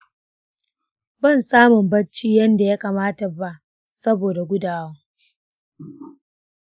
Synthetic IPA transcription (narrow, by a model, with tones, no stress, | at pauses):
bɐ˦˨nsaː˦mʊ˨mbɐ˦t͡ʃiː˦jɐ˦nda˨ja˦kaː˨maː˦ta˨ba˦ | sɐ˦boː˨da˨ɡʷʊ˦daː˨wa˦